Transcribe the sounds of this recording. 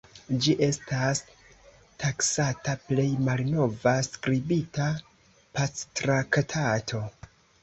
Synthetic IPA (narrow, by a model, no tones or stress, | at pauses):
d͡ʒiʔe̞stas | tʰaksataple̞jmalno̞vaskɾibita | pat͡stɾaktʰatʰo̞